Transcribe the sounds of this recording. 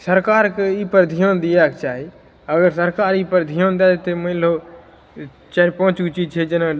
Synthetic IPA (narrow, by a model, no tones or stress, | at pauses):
səɾkaːɾkiːpəɾd̪ʱijõːnd̪ɪjaːkt͡ʃaːɦeː | əɡəɾsəɾkaːɾiːpəɾd̪ʱijõːnd̪aːet̪eməɪloː | t͡ʃaːpõːt͡ʃɡt͡ʃiːt͡ʃʰeːd͡ʒənã